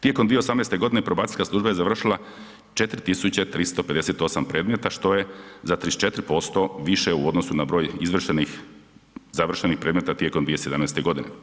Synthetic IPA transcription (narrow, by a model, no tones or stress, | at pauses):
t̪jekomd̪ʋije̞o̞samnest̪e̞ɡo̞d̪inepɾobaːt̪iʎʲsʲkaslˠuʒbajezaʋr̩ʃilˠa | t͡ʃe̞t̪ɾit̪isut͡ɕet̪ɾist̪o̞pe̞d̪e̞set̪o̞sampɾe̞ːd̪met̪aʃt̪o̞je̞zat̪ɾist͡ʃe̞t̪ɾipo̞st̪o̞ʋiʃeuo̞d̪no̞sunabɾo̞ːjizʋr̩ʃenix | zaʋr̩ʃenixpɾeːd̪met̪at̪jekomd̪ʋijese̞d̪amnest̪e̞ɡo̞d̪inḛ